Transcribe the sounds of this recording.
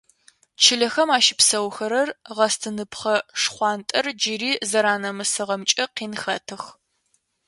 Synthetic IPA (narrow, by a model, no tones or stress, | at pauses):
t͡ʃʰɪɮɐxɐmaːʃɪpsɐwxɐɾɐrʁɐstʰɨnɨpʰχɐʂχʷɑːntʼɐrd͡ʒɪriːzɐɾaːnɐmɨsɨʁɐmt͡ʃʼɐqiːnxɐtʰɨx